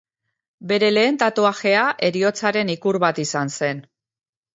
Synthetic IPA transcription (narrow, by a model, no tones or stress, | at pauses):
be̞ɾe̞le̞ːnt̪at̪uaxe̞aʔe̞ɾio̞t͡saɾe̞nikuɾβat̪isanse̞n